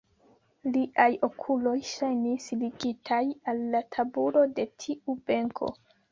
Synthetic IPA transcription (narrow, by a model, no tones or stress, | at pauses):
liʔajo̞kʰulo̞jʃajnisliɡitʰajalːatʰabulo̞de̞tʰiʔube̞ŋkʰo̞̰